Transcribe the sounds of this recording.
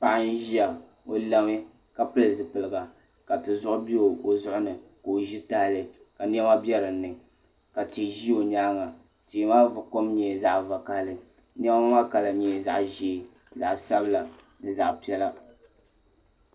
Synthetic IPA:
pa˨ʔa˦n̩˦ʒi˦a˨ | o˦la˦ŋe˦ | ka˨pɨ˦lɨ˨zɨ˨pɨ˨lɨ˨ɡa˨ | ka˨tɨ˨zʊ˦ʔʊ˦bi˦o˨o˨zʊ˦ʔʊ˦nɨ˨ko˨ʒi˦ta˦lɨ˨ | ka˨n˦ɛ˦ma˦bjɛ˦ɾɨ˨˦nɨ˨ŋ | ka˨ti˨ʒi˦o˨ɲaː˦ŋa˨ | ti˨˦ma˦˨ko˦mɲɛ˨za˦ʔva˨ka˦hlɨ˨ | n˦ɛ˦ma˦ma˦ka˨la˨ɲɛ˨za̰˨ʔʒe˨ | za̰˨ʔsa˦bɨ˦la˨ | nɨ˨za˨ʔpi˦ɛ˦la˦

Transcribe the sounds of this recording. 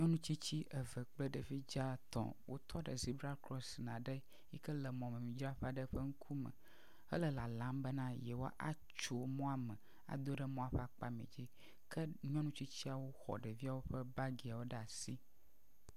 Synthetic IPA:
mĩ˦ɔ̃˦nũ˦t͡ɕi˦t͡ɕi˦ʔə˨və˨k͡plə˦ɖə˨vi˦d͡ʒa˦t̪ɔ̰̃˨wʔo̰˦t̪ʰɔ˦ɖə˨zi˨˦bɾa˦lkɾɔ˦snã˨ɖə˦ | ji˦kə˦lə˨mɔ̃˨mẽ˨mĩ˨d͡ʒɾa˦ɸa˦ɖə˦ɸə˦ŋ̩˦kʰu˦mə̰̃˨ | ə̰˦lə˨la˨lã˨˦mbə˦nã˦je˨wo˦a˦ʔa̰˦ | t͡ʃo˦mɔ̃˦a˦mɛ̃˨ | a̰˨d̪o˦ɖə˦mɔ̃˦a˦˨ɸa˦k͡pa˦mḭ̃˨d͡ʑi˦ | kʰə˦ɲĩ˦ɔ̃˦nũ˦t͡ɕi˦t͡ɕi˦a˨wo˦xɔ̰˨ɖə˨vi˦a˦wo˦ɸə˦ba˦ɡi˨a˨wo˦ɖa˨si˦

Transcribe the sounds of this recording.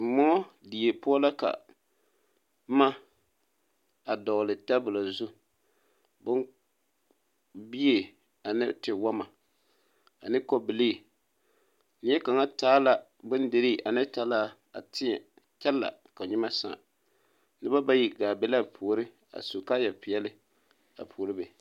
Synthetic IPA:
mɔ˦ | di˨je˨pʊ˦a˦la˦ka̰˨˦ | ma˦ | a˨dɔ˨ɣlɨ˨ta˦bʊ˨la˨zu˦ | bʊ˦n | bi˦e˨ | a˨nɨ˦tɪ˨wa˦ma˨ | a˨nɨ˦ko˦bɪ˨leː˦˨ | nɪ˦ɛ˦ka˨ŋa˦taː˦la˦ | bʊ˦ndɨ˨ɾi˦˨ʔa˨nɨ˦ta˦laː˦ | a̰˨tɪ˦ɲɛ˨ | t͡ʃɛ˦lːa̰˨ka˨ɲɪ˦ma˦sa̰˨ | nɨ˦ba˦ba˦ji˨ɡaː˨bɛ˦la˦pʰoː˨ɾɨ˦ | a̰˨su˨ka˦jɛ˨pɪ˨jɛ˦lɪ˦ | a̰˨pʰuː˨ɾɨ˦be˨

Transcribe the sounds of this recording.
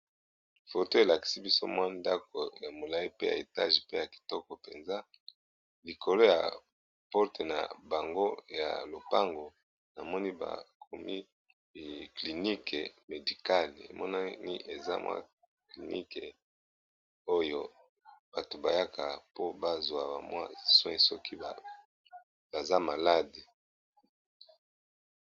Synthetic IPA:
fo˨to˦e˨la˨ki̥˨si˦bi˦so̰˦mwa˦nda˦ko˨ja˨mo˨la˨i˦pe˦ja̰˨e˨ta˦ʒi˨pe˦ja˨ki̥˨tɔ˦kɔ˨pe˨nza˦ | li˨ko˨lo˦ja̰˨ | pɔ˦te˨na̰˨ba˨ŋɡo˦ja̰˨lo˨pa˦ŋɡo˨ | na˨mɔ˦ni˦ba̰˨kʰo˨mi˦˨ | kli˨ni˦ke˨me˨di˨ka˦lḛ˨mʔɔ˦na˦ni˦ʔe˨za̰˦mwʔa̰˦ | kli˨ni˦ke˨ | o˦jo˦ | b̥a˨to˨ba˨ja˦kʰa˨po˦ba˦zwa˨ba˨mwa̰˦swɛ̃˦sɔ˦ki˦˨ | ba˨za˦ma˨la˦de˨

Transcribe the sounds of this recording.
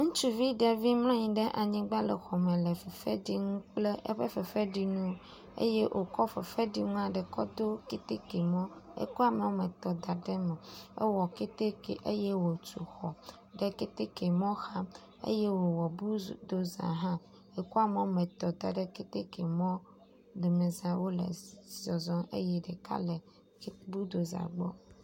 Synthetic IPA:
ŋũ˦t͡ʃu˦vi˦ɖe˨vi˦ml̃ɔ̃˦ɲĩ˨ɖe˦ʔa˨ɲĩ˦ɡ͡ba˦le˨xɔ˨mẽ˨le˨fe˨fe˦ɖi˦ŋũ˦k͡ple˦ʔḛ˦ɸe˦fe˨fe˦ɖi˦nũ˦ | ḛ˦je˦ʔo˨kɔ˦fe˨fe˦ɖi˦ŋũ˦a˨ɖɛ˨kɔ̰˦d̪o˦ke˦t̪e˦ke˨mɔ̃˦ḛ˦ku˦a˦me˨wo˦mẽ˨t̪ɔ˨d̪a˨ɖe˦me˨ḛ˦wɔ˨ke˦t̪e˦kḛ˨ʔḛ˦je˦wo˨t͡ʃu˨xɔ˨ | ɖe˦ke˦t̪e˦ke˨mɔ̃˦xa˦ | ḛ˦je˦wo˨wɔ˨bu˦d̪o˨zã̰˨ɦã˦ | e˦ku˦a˦me˨wo˦mẽ˨t̪ɔ˨d̪a˨ɖe˦ke˦t̪e˦ke˨mɔ̃˦ | ɖe˨mẽ˨zã˨wo˦lḛ˨zɔ˨zɔ̃˦ḛ˦je˦ɖe˨ka̰˦le˨˦ | bu˦d̪o˨zã̰˨ɡ͡bɔ̰˦

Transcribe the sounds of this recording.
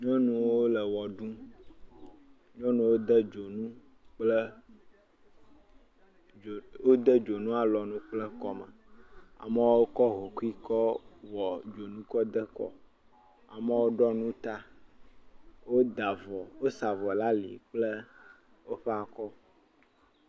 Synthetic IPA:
ɲɔ̃˦nũ˨wwo˦lə˨wɔ˨ɖũ˦ | ɲɔ̃˦nũ˨wo˦d̪ə˦d͡ʒo˨nũ˦ | k͡plə˦˨ | wo˦d̪ə˦d͡ʒo˨nũ˦a˨lɔ˨nũ˦k͡plə˦kɔ˦mə̰˨a̰˨mə˦wo˦kɔ˦ɦo˨ku˦i˦kɔ˦wɔ˨d͡ʒo˨nũ˦kɔ˦d̪ə˦kɔ̰˦ | a˨mə˦wo˦ɖɔ˦nũ˦t̪a˦ | wo˦d̪a˨vɔ˨wo˦sa˨vɔ˨la˦lḭ˨k͡plə˦ | wo˦ɸɛ˦a˨kɔ˦

